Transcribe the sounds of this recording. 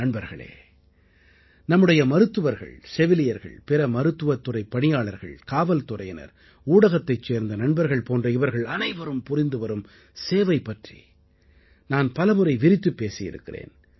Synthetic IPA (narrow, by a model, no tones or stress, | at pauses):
ɐɳbɐɾɣɐ̰ɭḛː | nɐmːɯɽɐjɐmɐɾɯt̪ːɯʋɐɾɣɐ̰ɭsɛʋɪlɪjɐɾɣɐ̰ɭpɛɾɐmɐɾɯt̪ːɯʋɐt̪ːɯrɐɪpːɐɳɪjaːɭɐɾɣɐ̰ɭkaːʋɐlt̪ʊrɐjɐnɐ̰ɾ | uːɽɐɣɐt̪ːɐɪt͡ʃːeːɾnd̪ɐnɐɳbɐɾɣɐɭpoːndrɐɪʋɐɾɣɐɭɐnɐɪʋɐɾɯmpʊrɪnd̪ɯʋɐɾɯm | seːʋɐɪpːɐʈrḭ | naːnpɐlɐmɯɾɐɪʋɪɾɪt̪ːɯpːeːsɪjɪ̰ɾɯ̰kːɪ̰rḛːn